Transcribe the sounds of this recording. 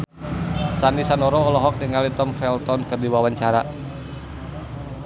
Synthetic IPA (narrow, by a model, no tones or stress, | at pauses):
sanisanɔɾɔɔlɔɦɔk̚niŋalit̪ɔmfɛlt̪ɔnkɨrdiwawaɲt͡ʃaɾa